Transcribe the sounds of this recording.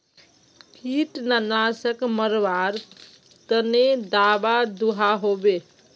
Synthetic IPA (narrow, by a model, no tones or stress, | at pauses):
pʰiʈnanasəkməɾʋaɾ | t̪əned̪abad̪uɦaɦobe